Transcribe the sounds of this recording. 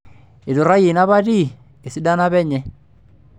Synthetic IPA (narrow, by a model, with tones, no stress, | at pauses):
e˨do˨ɾa˦ji˨na˦βa˦ɾi˦˨ | e˨si˦da˦na˦βɛ˦ɲɛ˨˦